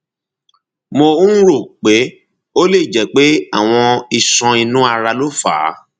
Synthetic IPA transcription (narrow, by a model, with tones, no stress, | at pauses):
mõ˧˦ɾo˦˨k͡pe˨˦ | o˦le˦˨d͡ʒɛ˨˦k͡pe˦a̰˦˨w̃ɔ̃˧i˨sɔ̃˧i˧nũ˦a˧ɾa˧lo˦fa̰ː˨˦